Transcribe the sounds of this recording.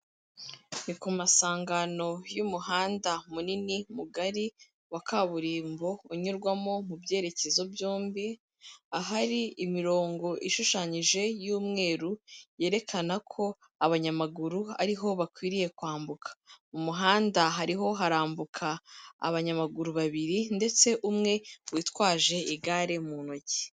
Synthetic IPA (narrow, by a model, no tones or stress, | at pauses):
nikumasaːŋɡano̞jumuhaːndamuninimuɡaɾi | wakʰaβuɾiːmbo̞uɲuɾɡwamo̞mubje̞ːɾe̞ce̞zo̞bjoːmbi | aɦaɾiimiɾo̞ːŋɡo̞ʔiʃuʃaːɲiʒe̞juːmŋe̞ːɾuje̞ːɾe̞kʰanakʰo̞ | aβaɲamaɡuɾua̰ɾiɦo̞βakwiːɾije̞kwaːmbukʰḁumuɦaːndaɦaɾiɦo̞ɦaɾaːmbukʰa̰ːβaɲamaɡuɾuβaβiɾinde̞t͡se̞ʔumŋe̞wiːtwaːʒe̞iɡaːɾe̞muno̞ɟi̥